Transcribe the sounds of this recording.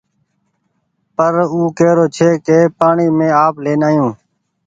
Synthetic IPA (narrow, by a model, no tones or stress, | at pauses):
pəɾuːkeːɾoːt͡ʃʰeːkeːpaːɳiːmẽːaːpleːnaːjũː